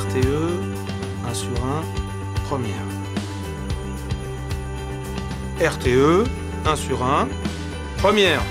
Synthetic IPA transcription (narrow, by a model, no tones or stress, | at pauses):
ʁt̪eø | ɛ̃syʁɛ̃ | pχəmjɛːʁ | ɛʁt̪eø | ɛ̃syʁɛ̃ | pχəmjɛːʁ